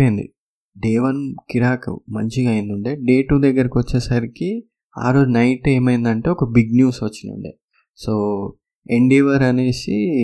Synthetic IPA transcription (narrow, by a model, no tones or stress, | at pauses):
end̪ḭ | ɖeːʋɐnkiɾaːkɐ̰mɐ̰ɲt͡ʃiɡɐjind̪uɳɖeːɖe̞ːʈuːd̪ɐɡːɐɾikiʋɐt͡ʃːeːsɐɾiki | a̰ːɾoːd͡ʒnɐjʈe̞ːmɐjind̪ɐɳʈe̞ːɔkɐbiɡnjuːsʋɐt͡ʃːinṵɳɖḛː | soː | eɳɖiːʋɐɾɐne̞ːsḭ